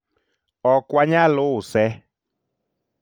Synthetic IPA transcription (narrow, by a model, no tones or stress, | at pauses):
ɔkwaɲalʊsɛ